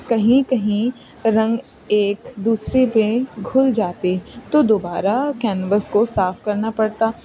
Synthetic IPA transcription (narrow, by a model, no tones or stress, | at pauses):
kɐɦĩkɐɦĩ | ɾɐ̃ŋɡ | eːkd̪uːsɾepẽɡʱʊld͡ʒaːt̪et̪od̪oːbaːɾakɛːnʋəskosaːfkɐɾnapɐɽt̪aː